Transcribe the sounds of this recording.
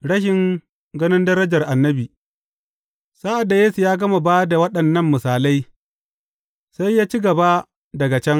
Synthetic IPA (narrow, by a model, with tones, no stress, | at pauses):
ɽɐ˦ʃɪ˨ŋ | ɡɐ˦nɪ˦ndɐ˦ɾɐ˦d͡ʒɐ˨rʔa˨nːɐ˦biː˨ | saː˦ʔa˨dːa˨jeː˦su˨jaː˦ɡɐ˦ma˨baː˦da˨wɐ˦ɗɐ˨nːɐ˦˨mːɪ˨saː˨la˦j | sa˦jːaː˦t͡ʃi˦ɡɐ˨ba˦ | dɐ˨ɡa˨t͡ʃɛ˦ŋ